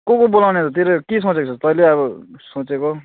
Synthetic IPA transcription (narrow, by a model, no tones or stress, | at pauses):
kokobolawnet̪ʰt̪eɾʌkis̬õt͡sekot͡sʰʌtpʌileʌbʌsõt͡seko